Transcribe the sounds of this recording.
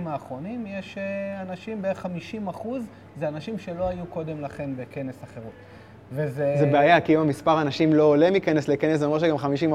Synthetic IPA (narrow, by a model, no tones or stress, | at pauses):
maːχʁo̞nimjeʃeanaʃimbeχamiʃimaχuz | zeanaʃimʃe̞lo̞ajuko̞d̪e̞mlaχe̞nbeke̞nesaχe̞ʁut | vezezebeajakiumamispaʁanaʃimlo̞ːlimikenesle̞kenes̬zmeʁʃeɡamχamiʃima